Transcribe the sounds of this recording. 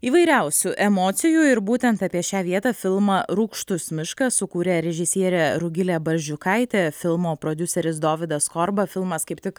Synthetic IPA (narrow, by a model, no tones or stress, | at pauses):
iːʋɐɪɾʲæʊsʲuʔɛmoːt̪sʲɪjuɪɾbuːt̪ʲɛnt̪ɑpʲiɛʃʲæːʋʲiɛt̪ɐfʲɪlˠmɐɾʊkʃt̪ʊsmʲɪʃkɐsʊkuːɾʲeːɾʲɛʒʲɪsʲiɛɾʲɛɾʊɡʲɪlʲɛːbɐɾʲʒʲʊkɐɪt̪ʲeːfʲɪlˠmoːpɾoːd̪ʲʊsʲɛɾʲɪsd̪oːʋʲɪd̪ɐskɔɾbɐfʲɪlˠmɐskɐɪpt̪ʲɪk